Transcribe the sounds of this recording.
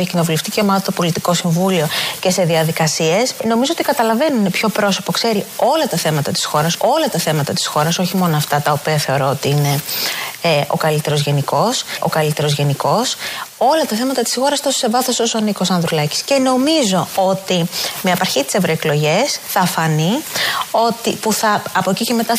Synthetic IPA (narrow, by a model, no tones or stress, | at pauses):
ɐcino̞vuleft̪iceomɐt̪opo̞lit̪iko̞siɱvulio̞ce̞se̞ðiɐðikɐsie̞sno̞mizoot̪ikɐt̪ɐlɐve̞nuinepço̞pɾo̞so̞po̞kse̞ɾio̞lɐt̪ɐθe̞mɐt̪ɐt̪i̥sxo̞ɾɐso̞lɐt̪ɐθe̞mɐt̪ɐt̪i̥sxo̞ɾɐso̞çimo̞noɐft̪ɐt̪ɐopiɐθe̞o̞ɾo̞ot̪iine̞ | ʔo̞̰kɐlit̪e̞ɾo̞zʝe̞niko̞sʔo̞̰kɐlit̪e̞ɾo̞zʝe̞niko̞so̞lɐt̪ɐθe̞mɐt̪ɐt̪i̥sxo̞ɾɐst̪osose̞vɐθososonikosɐnðɾulɐci̥sce̞no̞mizo̞o̞t̪imeɐpɐɾçit̪i̥sevɾoeklo̞ʝe̞sθɐfɐnio̞t̪ipuθɐːpo̞ciceme̞t̪ɐ